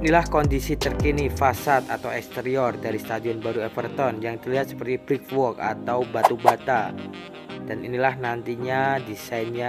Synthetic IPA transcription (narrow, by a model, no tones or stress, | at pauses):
inilahkɔndisit̪ərkinifasat̪at̪awɛkst̪eɾiɔrdaɾist̪adiɔnbaɾuɛfərt̪ɔnjaŋt̪ərliɦat̪sə̥pərt̪ibɾik̚wɔka̰t̪awbat̪ubat̪a | d̥aninilahnant̪iɲadisainɲa